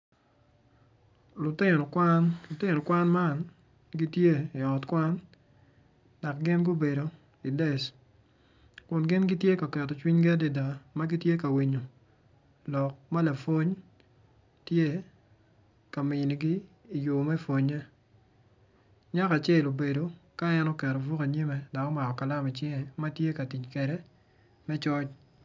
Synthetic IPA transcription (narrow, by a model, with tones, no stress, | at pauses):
lʊ˨tɪ˦ɔ˨kwa˦nlʊ˨tɪ˦no˨kwa˦nma˦˨n | ɡi˦tje˦i˨ɔ˨tkwa˦n | da˨k̚ɡɪ˦nɡo˦be˨do˨ | i˨dɛ˦˨s | kʊ˨nɡɪ˦nɡi˦tje˦ka˨kɛ˨tɔ˨t͡ʃwi˦ɲɡɛ˦de˨da˨ma˦ɡi˦tje˦ka˨wi˨ɲo˨ | lɔ˨k̚ma˦la˨fo˦ɲ | tje˦ | ka˨mɪ˨ni˨ɡiː˦˨ | jo˨mɛ˦fo˨ɲɛ˦ | ɲa˦ka˨t͡ʃɛ˦lo˨be˨do˨ka˦ɛ˦nɔ˦kɛ˨ɾɔ˨vu˦ka˨ɲi˦mɛ˨da˨kɔ˦ma˨kɔ˨ka˨la˦mi˨t͡ʃɪ˦ŋɛ˨ma˦tje˦ka˨ti˨t͡ʃkɛ˨ɾɛ˦ | mɛ˦t͡ʃɔ˦t͡ʃ